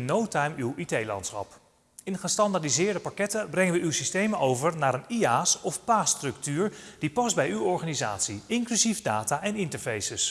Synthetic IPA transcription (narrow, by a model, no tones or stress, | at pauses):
nowtɛjmywitejlɑ̰ntsχɑ̰p | ɪnχəstɑndaɹdizɪːɹdəpɑkɛtəbrɛŋəʋəywsistejməowvəɹnaːɾəniaːsɔfpaːstrɵktyːɹd̥ipɑzbɛjywɔɹχaːniza̰ːtsiɪŋklyzifdaːtaːʔɛnɪntəɹfejsəs